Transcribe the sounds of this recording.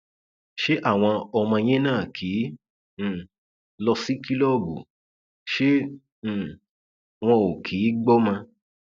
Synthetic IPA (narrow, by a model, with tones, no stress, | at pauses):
ʃe˦ʔa˦˨w̃ɔ̃˧ɔ˧mã˧j̃ɛ̃˦nãː˦˨kʰĩː˨˦˨ | lɔ˧si˦ki˦lɔ˦˨ɡṵ˨ | ʃẽ˦˨ | w̃ɔ̃˧o˨kʰi˨˦ɡ͡bɔ˦mã˧